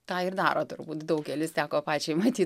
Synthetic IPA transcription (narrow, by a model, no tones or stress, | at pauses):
t̪ɑːɪrd̪ɑːɾoːt̪ʊrbuːt̪d̪ɐʊkkʲɛlʲɪst̪ʲæːkoːpɑːt͡ʃʲɛɪmɐt̪ʲiː